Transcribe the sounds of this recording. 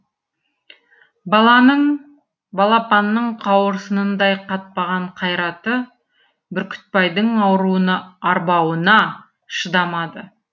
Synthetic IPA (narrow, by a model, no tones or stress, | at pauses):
bɑlˠɑnəɴ | bɑlˠɑpɑnːəɴqʰɑwəɾsənənd̪ɑjqʰɑt̪̚pɑʁɑɴqʰɑjɾɑt̪ə | bɪɾkʲʰʏ̥t̪̚pɑjd̪əɴɑwɾuənəɑɾbɑwənɑ | ʃəd̪ɑmɑd̪ə